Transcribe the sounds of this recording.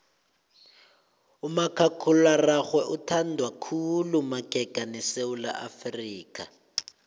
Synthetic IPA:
umakʰakʰularaxwɛʔutʰandʱwakʰulumaɡ̥ʱɛɡ̥ʱanɛsewula̰ʔafriːka

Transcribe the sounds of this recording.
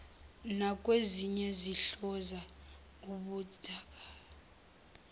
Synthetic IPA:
nak̬ʼweziɲɛziɬɔza | uɓud̥ʱaːk̬ʼa

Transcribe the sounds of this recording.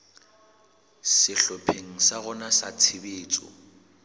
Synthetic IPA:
sɪɬɔpʰeŋ̩saɣʊnasat͡sʰɪbeːt͡sʼɔ̰

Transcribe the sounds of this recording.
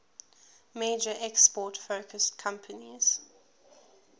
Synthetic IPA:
meːd͡ʒəʔɛkspɔːtfoʊkʰəstkʰãmpʰəniz̥

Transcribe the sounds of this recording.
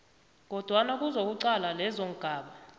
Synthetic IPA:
k̬ɔd̥ʱwanak̬ʼuzok̬uǀalalɛzoŋ̩ɡ̥ʱaːɓa

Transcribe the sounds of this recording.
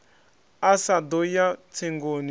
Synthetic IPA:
asadojatʰeŋɡoni

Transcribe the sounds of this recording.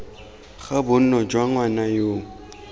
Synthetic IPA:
χabʊn̩nɔd͡ʒwaŋwanajoː

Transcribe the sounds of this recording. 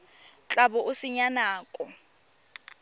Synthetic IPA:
t͡ɬʼabʊʔʊsɪɲanaːkʼɔ

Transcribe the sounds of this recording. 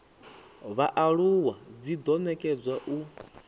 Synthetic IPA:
βaʔaɺuwad͡zid̪ɔnɛkʼɛd͡zwaʔu

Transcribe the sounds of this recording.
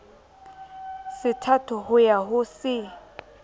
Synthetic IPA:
sɪtʰatʰʊhʊjaɦʊsɪ

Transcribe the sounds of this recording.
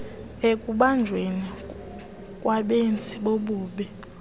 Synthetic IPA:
ekʼuɓand͡ʒʱweni | kʼwaɓent͡sʼiɓoɓuːɓɛ

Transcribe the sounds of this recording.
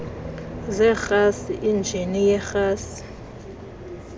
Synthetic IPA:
zɛxasiʔind͡ʒʱinijɛxaːsi̥

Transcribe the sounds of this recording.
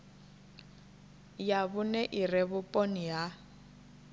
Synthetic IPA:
jaβʊnɛʔirɛβʊpʼonija

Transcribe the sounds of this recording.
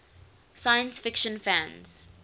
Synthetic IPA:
sajə̃nsfɪkʃə̃nfæ̃nz̥

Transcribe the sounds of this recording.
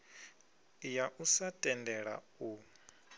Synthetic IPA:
jaʔusatʼɛndɛɺa̰ | u

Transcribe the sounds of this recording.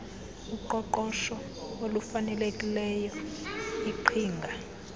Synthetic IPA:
uǃɔǃɔʃɔ | olufanɛlekʼilɛjɔ | iǃʰiːŋɡʱa

